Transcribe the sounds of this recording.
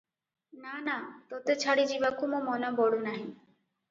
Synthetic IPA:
nanat̪ɔt̪et͡ʃʰaɽid͡ʒibakumũmɔnɔbɔɽunaɦĩ

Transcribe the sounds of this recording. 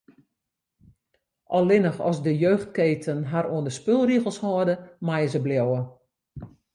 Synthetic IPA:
ʔɔlˠɪnəxɔ̰sdəjøːxt̚keːtʰənɦaɾoəndəspølˠriɣəlˠshɔːdəmajəzəbljowə

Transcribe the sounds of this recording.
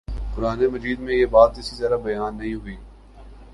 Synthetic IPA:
kʊɾaːnemɐd͡ʒiːd̪mẽjeːbaːt̪ɪsizɐɾabɐjaːnːɐɦĩɦʊiː

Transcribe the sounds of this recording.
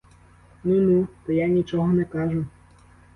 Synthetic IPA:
nunut̪ɔjanʲit͡ʃɔɦɔnɛkaʒʊ

